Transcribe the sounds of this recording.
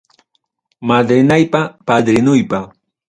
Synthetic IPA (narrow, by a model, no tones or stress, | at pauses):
mad̪ɾɪnajpapad̪ɾɪnʊjpa